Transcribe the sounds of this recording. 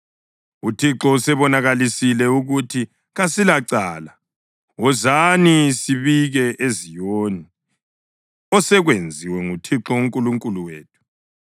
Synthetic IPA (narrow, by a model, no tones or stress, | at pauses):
utʰiǁɔusɛβɔnaɣalisilɛuɣutʰi | ɣasilaǀaːla | wɔzanisiβiɣɛʔezijoːni | ɔsɛɣwend͡zʱiwɛŋutʰiǁɔuŋkʼuluŋkʼuluwḛːtʰu̥